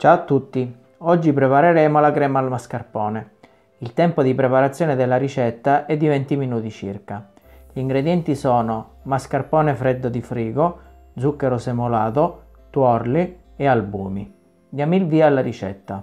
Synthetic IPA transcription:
t͡ʃat̪ːut̪ːi | ɔd͡ʒːipɾepaɾeɾɛːmolakɾɛːmaːlmaskarpɔːne | ilt̪ɛmpod̪ipɾepaɾat̪sːjɔːned̪elːaɾit͡ʃɛt̪ːaʔɛd̪ːivɛnt̪iminuːt̪it͡ʃḭrka | ʎiŋɡɾed̪jɛnt̪isɔːno | maskarpɔːnefɾed̪ːod̪ifɾiːɡo | d̪zukːeɾosemolaːt̪o | t̪wɔrli | ealbuːmi | d̪jamilviːaːlːaɾit͡ʃɛ̰t̪ːa

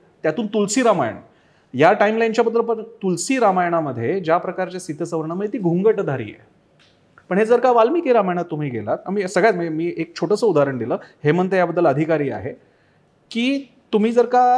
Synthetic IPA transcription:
t̪jat̪uːnt̪ulsiːɾamajəɳ̃ | jaʈaimlajnt͡ɕjabəd̪ːləpəɳt̪ulsiːɾamajɳ̃aməd̪ʱːjed͡ʑjapɾəkaɾt͡ɕjasit̪ːəsəʋəɾɳ̃əməjet̪iːɡʱuŋɡəʈd̪ʱaɾḭːjḛ | pəɳɦed͡zəɾkaʋalmikeɾamajɳ̃at̪ːum̤iːɡḛlat̪am̤isəɡɭjat̪mmiːʔek̚t͡ɕʰoʈəsəːud̪ʱaɾəɳd̪iləːheməɳt̪ejabəd̪ːələəd̪ʱikaɾiːa̰ɦe | kiː | t̪um̤iːd͡zəɾka

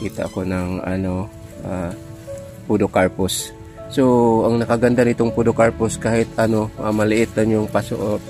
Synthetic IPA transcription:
kiːt̪a̰ʔakonɐŋʔɐ̰no̞ | ʔa | pud̪okaɹpʊs | soɐŋnɐkaɡɐnd̪anɪt̪oŋpud̪okaɹpʊskaːhɪt̪ɐnoʔamɐlɪʔɪt̪̚anjʊŋpaso̰ʔot̪̚

